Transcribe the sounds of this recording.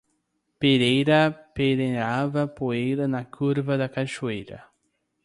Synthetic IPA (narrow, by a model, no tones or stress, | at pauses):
peɾejɾɐpeɾeɾavɐpoejɾɐnɐkʰuɾvɐd̪ɐkaʃuejɾɐ̰